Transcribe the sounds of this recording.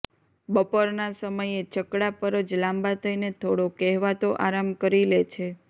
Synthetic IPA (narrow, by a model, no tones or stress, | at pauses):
bəpoɾnasəməjet͡ʃəkɽapəɾəd͡ʒlãmbat̪ʰəinet̪ʰoɽokɛɦʋat̪oʔaɾamkəɾilet͡ʃʰe